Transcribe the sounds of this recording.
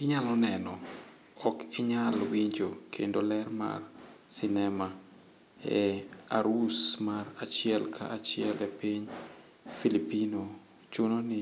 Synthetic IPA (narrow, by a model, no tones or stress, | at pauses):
ɪɲalɔnɛnɔ | ɔkɪɲalwiɲd͡ʒokʰḛndolɛrma̰rsinɛma | ɛa̰ɾusmaɾat͡ʃɪɛlkʰa̰ʔat͡ʃɪɛlɛpiɲ | filipino | t͡ʃunonɪ